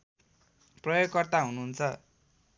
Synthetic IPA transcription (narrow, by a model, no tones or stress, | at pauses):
prʌjoɡkʌrt̪aɦunuɦunt͡sʰʌ